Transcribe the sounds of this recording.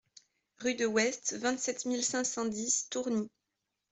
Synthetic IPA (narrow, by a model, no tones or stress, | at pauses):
ʁyd̪əwɛst̪vɛ̃t̪sɛt̪milsɛ̃sɑ̃d̪ist̪uʁni